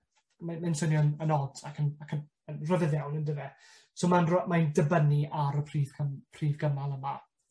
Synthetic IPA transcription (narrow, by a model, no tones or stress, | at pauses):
mamansənjɔnənɔdakʰənakʰən | ənrəvɪðɛwnəndəvɛ | soːmanrɔmajndəbəniʔaɾəpʰr̥iːv̥kʰəpʰriːvɡəmalˠəma